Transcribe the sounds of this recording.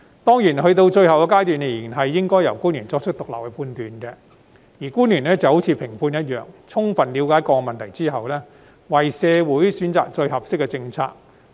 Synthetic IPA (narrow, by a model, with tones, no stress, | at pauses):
t̪ɔː˥ŋjiː˨˩nhɵ˧t̪̬o˧wt͡ʃɵ˧ɥhɐ˨wkɛ˧kaː˥jt̪yː˨˩nkɛ˨˩jiː˨˩nɦɐ˨jːɪ˥ŋkɔː˥jɐ˨˩wkuː˥njyː˨˩nt͡sɔː˧k̚t͡ʃʰɵ˥t̚t̪ʊ˨k̚lɐ̰˨p̚wkɛ˧pʰuː˧nt̪yː˨nkɛ˧ | jiː˨˩kuː˥njyː˨˩nlɛː˥t͡sɐ˨˧ho˨˥wt͡sʰiː˨˧pʰɪ˨˩ŋpʰuː˧njɐ˥t̚jœː˨ŋ̚t͡sʰʊ˥ŋfɐ˨nliː˨˧wkaː˨˥jkɔː˧kmɐ˨nt̪ʰjt͡siː˥ɦɐ˨wlɛː˥ | wɐ˨jsɛː˧wuː˨˥jsyː˨˥nt͡sa̰ː˨k̚t͡ʃɵ˧ɥhɐ˨p̚sɪ˥kːɛ˧t͡sɪ˧ŋt͡sʰa̰ː˧k̚